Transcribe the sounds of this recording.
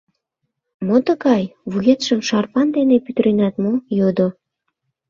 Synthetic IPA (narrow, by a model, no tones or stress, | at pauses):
mot̪əkɑjβuɣet̪ʃə̆mʃɑrpɑnd̪enepyt̪ɾenæt̪mojod̪o